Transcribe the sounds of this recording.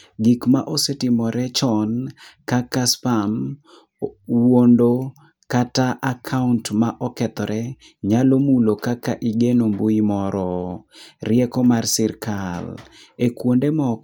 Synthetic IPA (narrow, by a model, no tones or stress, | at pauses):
ɡikmaʔosetɪmɔɾɛt͡ʃɔnkakaspam | wondo | kataʔakʰauntmaʔɔkɛt̪ɔɾɛ | ɲalomulokakaʔiɡenomboimɔɾɔ | rɪɛkɔmarsɪrkʰal | ekwondemɔ